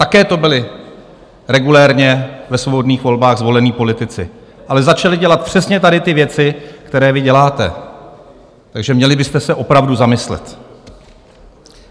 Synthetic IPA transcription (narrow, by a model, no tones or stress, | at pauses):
t̪akɛːt̪o̞bɪlɪ | ɾɛɡulɛːɾɲɛvɛsvo̞bo̞dniːxvo̞lbaːɣzvo̞lɛniːpo̞lɪt̪ɪt͡sɪ̰ | ʔalɛzat͡ʃalɪɟɛlat̪̚pr̝̥ɛsɲɛt̪adɪt̪ɪvjɛt͡sɪkt̪ɛɾɛːvɪɟɛlaːt̪ɛ̰ | t̪aɡʒɛmɲɛlɪbɪst̪ɛsɛʔo̞pɾavduzamɪslɛ̰t̪